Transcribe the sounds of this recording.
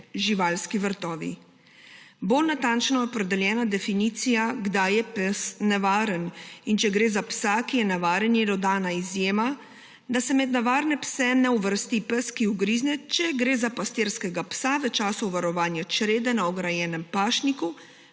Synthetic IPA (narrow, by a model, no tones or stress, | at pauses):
ʒiʋalskiʋəɾt̪ɔːʋḭ | bolnat̪ant͡ʃnɔɛɔpɾɛd̪ɛljɛːnad̪ɛfiniːt̪sijaɡd̪ajɛpəsnɛʋaːɾənint͡ʃɛɡɾeːzapsakijɛnɛʋaːɾənjɛd̪ɔd̪aːnaizjeːma | d̪asɛmɛd̪nɛʋaːɾnɛpsɛnɛuʋəɾst̪ipəskiuɡɾiːznɛt͡ʃɛɡɾeːzapast̪eɾskɛɡapsaʋɛt͡ʃaːsɔwʋaɾɔʋaːnjat͡ʃɾeːd̪ɛnaɔɡɾajɛːnɛmpaːʃniku